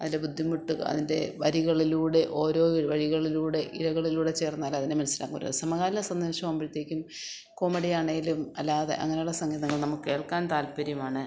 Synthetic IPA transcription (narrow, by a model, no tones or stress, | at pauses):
ɐðinlebud̪ʱːimuʈːṵɐ̰ðinde̞̰ʋɐɾiɣɐɭiluːɽe̞ʔo̞ːɾo̞ːiʋɐɻiɣɐɭiluːɽe̞ʔiɻɐɣɐɭiluːɽe̞t͡ɕe̞ːrnːaːlːaːɐðinemɐnɐsila̰ːŋːɡṵːɾɐ̰sɐmɐɣaːɾilɐsɐnd̪o̞ːɕɐmɐːmbiɾit̪ːe̞ːkʲːum | koːmɐɽijaːɳɐjilumɐlːaːðḛʔɐ̰ŋːɐne̞juɽesɐŋɡiːðɐŋːɐɭnɐmukɨke̞ːɭkaːnt̪aːlpɐɾjɐmaːɳɨ